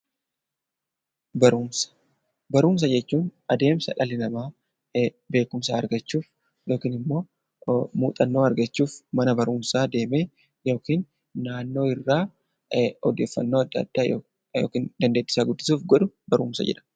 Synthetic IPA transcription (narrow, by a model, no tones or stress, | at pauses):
bɐɾumsɐ̥ | bɐɾuːms̬ɐd͡ʒɛt͡ʃːuːnɐd̪e̞ːmsɐ̰ᶑɐlɪnɐmaː | be̞ːkʊmsaːɐɾɡɐt͡ʃːuːf | jo̞ːkiːnɪmːo̞ː | mṵːt̪ʼɐnːo̞ːɐɾɡɐt͡ʃːuːfmɐnɐbɐɾuːmsaːd̪e̞ːme̞ː | jo̞ːkiːnː | aːnːo̞ːɪrːaː | ɔd̪e̞ːfːɐnːo̞ːɐd̪ːɐd̪̥ːaːjo | jo̰ːkiːnd̪ɐnd̪e̞ːd̪ːɪ̥saːɡʊd̪ːɪsuːfɡɔᶑʊbɐɾṵːmsɐ̰d͡ʒɛ̰ᶑɐ̥